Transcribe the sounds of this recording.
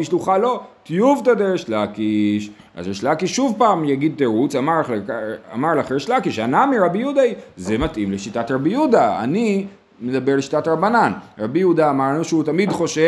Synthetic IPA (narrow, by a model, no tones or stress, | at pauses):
iʃluχalo̞t̪ijuvt̪ad̪eʁeʃlakiʃ | a̰zeʃlakiʃːuvpaːmjaɡid̪̚t̪eʁut͡samaʁalkaa̰maʁlaχeʁeʃlakiʃanamiʁabijud̪azemat̪ʔimleʃitatʁabijud̪aa̰ni | med̪abeʁleʃi̥tatʁabananʁabijud̪aːmaʁnuʃeutamid̪χo̞ʃe